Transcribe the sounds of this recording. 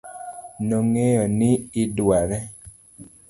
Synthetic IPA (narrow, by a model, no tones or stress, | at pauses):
noŋejɔnɪɪdwaɾɛ